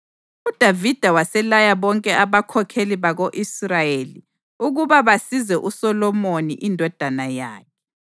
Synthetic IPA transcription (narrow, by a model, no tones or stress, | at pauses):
ud̥ʱavid̥ʱawasɛlajaβɔŋkʼɛʔaβakʰɔkʰeliβaɣoʔisrajeli | uɣuβaβasizɛʔusɔlɔmonḭʔindʱɔd̥ʱanajaːkʰɛ̥